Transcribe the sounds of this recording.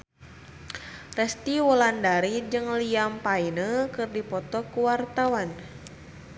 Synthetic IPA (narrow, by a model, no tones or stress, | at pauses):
rɛst̪iwɔlandaɾid͡ʒɨŋliampainəkɨrdipɔt̪ɔkuwart̪awan